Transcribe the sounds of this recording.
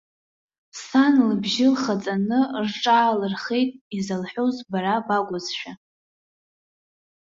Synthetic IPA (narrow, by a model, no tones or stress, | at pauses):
sanlɨbʒɪlχat͡sʼanɨrʈ͡ʂʼaːlɨrχe̞jtʼizalħozbaɾabaɡʷʊzʃᶣa